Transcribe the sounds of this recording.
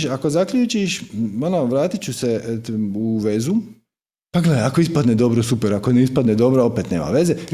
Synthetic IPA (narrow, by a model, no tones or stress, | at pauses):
ʃako̞zakʎuːt͡ʃiʃonoʋɾaːt̪it͡ɕuseuʋe̞zu | paɡled̪aako̞ispad̪ned̪o̞bɾosupeɾakoneispad̪ned̪o̞bɾoopet̪ne̞̰ːma̰ʋe̞ze